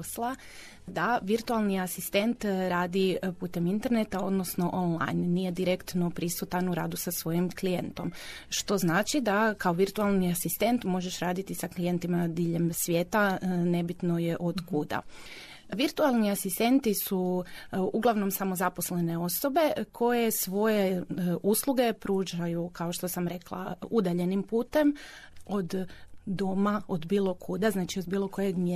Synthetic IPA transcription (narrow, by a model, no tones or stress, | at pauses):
slˠa | d̪aʋiɾt̪ualˠniasist̪e̞nt̪ɾaːd̪ipuːt̪e̞mint̪e̞ɾne̞t̪ao̞d̪no̞sno̞ʔonlˠa̰jnːije̞d̪iɾe̞kt̪no̞pɾisut̪anuɾa̰ːd̪usasʋo̞jimklijent̪o̞m | ʃt̪o̞znaːt͡ʃid̪akao̞ʋiɾt̪ualˠniasist̪e̞nt̪mo̞ʒe̞ʃɾaːd̪it̪isaklije̞nt̪imad̪iːʎe̞msʋʲjeːt̪ane̞bit̪nojeʔod̪kud̪a̰ | ʋiɾt̪ualˠniasist̪e̞nt̪isu | uɡlˠaʋno̞msamo̞zapo̞sle̞ne̞o̞so̞be̞kʰo̞jesʋo̞jeʔusluɡe̞pɾuːʒajukao̞ʃt̪o̞samɾe̞klˠa̰ud̪aʎe̞nimpuːt̪e̞m | od̪d̪omaod̪biːlˠo̞kʰud̪aznaːt͡ʃiod̪biːlˠo̞ko̞jeɡm